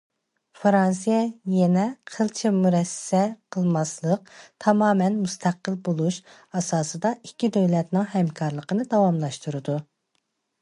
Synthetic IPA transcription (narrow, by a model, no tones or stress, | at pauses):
fɾɑns̬ijɛjɛnɛqʰəlˠt͡ʃʰimuɾɛsːɛqʰəlˠmɑslˠəq̚t̪ʰɑmɑːmɛnmust̪ʰæqəlˠbolˠuʃ | ɑsɑːsɨd̪ɑikʲːid̪øwlɛt̪nɪŋhɛmkʰɑɾlˠəqənɨd̪ɑwɑmlˠɑʃt̪uɾɨd̪u